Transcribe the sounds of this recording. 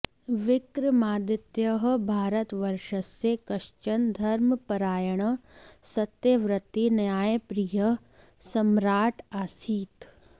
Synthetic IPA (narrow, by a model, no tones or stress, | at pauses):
ʋɪkɾmaːd̪ɪt̪jəɦ̆bʱaːɾət̪ʋɐɾʃəsekɐʃt͡ʃɐnd̪ʱɐɾməpɐɾaːjəɽ̃̆sɐt̪jeʋɾɪt̪injaːjpɾijə | sɐmɾaːʈaːsiːt̪